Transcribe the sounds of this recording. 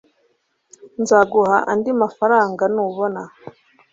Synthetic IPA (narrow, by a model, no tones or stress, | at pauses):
nzaɡuhaʔandimafaɾaːŋɡanuβona